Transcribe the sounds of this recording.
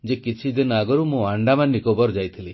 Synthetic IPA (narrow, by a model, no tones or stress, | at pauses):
d͡ʒekit͡ʃʰid̪inɔaɡɔɾumũaɳɖamanːikɔbɔɾd͡ʒajt̪ʰili